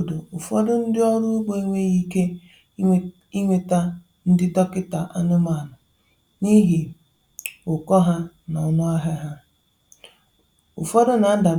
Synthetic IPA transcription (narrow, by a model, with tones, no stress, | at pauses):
do˨ʊ˨fɔ˦dʊ˦n̩˦dɪ˦ɔ˦ɾʊ˦ɡ͡bo˦i˦ŋʷe˦ɣi˦ke˦ | i˦ŋʷe˨ta˦ | n̩˦dɪ˦dɔ˦kɪ˦ta˨ʔa˦nʊ˦ma˨nʊ˨ | ni˦ɦi˨ | ʊ˨kɔ˦ɦa˦na˨ɔ˨nʊ˦a˦ɦa˦ɦa˦ | ʊ̰˨fɔ˦dʊ˦na˨˦n̩˦da˨